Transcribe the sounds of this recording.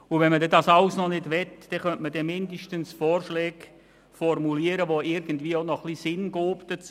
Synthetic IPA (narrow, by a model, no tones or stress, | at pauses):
ʊvɛnmədɛdɑsɑʊsnɔnɪdʋɛtd̥ɛχœntmədɛmɪndəʃtənsfoːrʃlɛːɡ̥ | fɔrmuliːəɾəʋoɪɾɡ̥ən̩dviːonɔχlisɪnɡ̥oːpd̥ət͡s